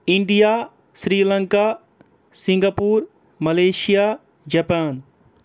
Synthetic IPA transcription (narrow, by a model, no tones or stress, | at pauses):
ɪɳɖijaː | sɾiːlɐŋkaː | sĩŋɡapuːɾ | mɐleːʃijaː | d͡ʒɐpaːn